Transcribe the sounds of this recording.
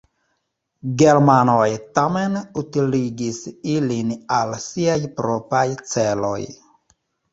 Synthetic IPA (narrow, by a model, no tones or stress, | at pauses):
ɡe̞ɾmanojtamenutiliɡisilinalsiajpɾopajt͡se̞lo̞̰j